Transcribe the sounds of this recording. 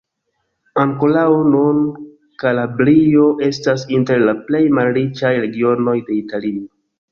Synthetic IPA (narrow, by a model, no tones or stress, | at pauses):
aŋko̞laonun | kalabɾio̞ʔe̞stasinte̞ɾlaple̞jmalɾit͡ʃajɾe̞ɡio̞no̞jde̞italio